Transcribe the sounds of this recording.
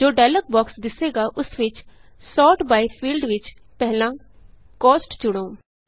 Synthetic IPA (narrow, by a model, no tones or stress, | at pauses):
d͡ʒoːɖɛːlək̚bɔːksd̪ɪseːɡaːʔʊsʋɪt͡ʃ | sɔːʈbaːipʰiːlɖʋɪt͡ʃ | pɛɦlãː | kɔːsʈd͡ʒʊɽ̃õː